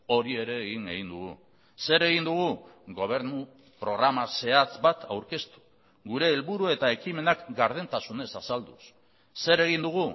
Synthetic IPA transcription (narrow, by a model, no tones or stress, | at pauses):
o̞ɾie̞ɾe̞ːɣiŋeɣind̪uɣṵ | se̞ɾe̞ɣ̞ind̪uɣ̞uɣo̞β̞e̞ɾnu | pɾo̞ɣɾamase̞at͡sbat̪ʰawɾke̞st̪u̥ | ɣuɾe̞ːlβuɾue̞t̪aekime̞nakɡaɾð̞ent̪asune̞sasald̪us | se̞ɾe̞ɣ̞ind̪uɣ̞u